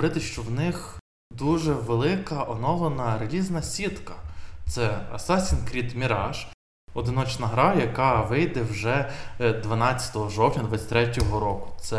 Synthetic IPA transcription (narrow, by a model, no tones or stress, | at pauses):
ɾɪt̪ɪʃt͡ʃɔwnɪx | d̪uʒɛʋelˠɪkɐʔɔnɔlˠɔnɐɾelʲiznɐsʲit̪kɐt̪sɛɐ̰sɑsʲinkɾʲid̪mʲiɾɑʃ | ɔd̪ɪnɔt͡ʃnɐɦɾɑjɐkɑʋɪjd̪ɛwʒɛd̪ʋɐnɑt͡st͡sʲːɐ̥t̪ɔɦɔʒɔwtʲɐd̪ʋɐsʲɐ̥t̪ɾɛtʲɔɦɔɾɔkʊ̥t̪sɛ